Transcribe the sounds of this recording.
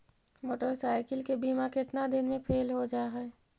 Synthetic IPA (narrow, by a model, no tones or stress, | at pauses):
moːʈəɾsaːɪkəlkebiːmakeɪt̪nad̪ɪnmẽpʰeːlɦod͡ʒaːɦɛː